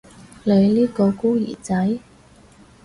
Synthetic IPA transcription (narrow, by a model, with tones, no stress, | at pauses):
le˨˧liː˥kɔː˧kuː˥jḭ˨˩t͡sɐ˨˥j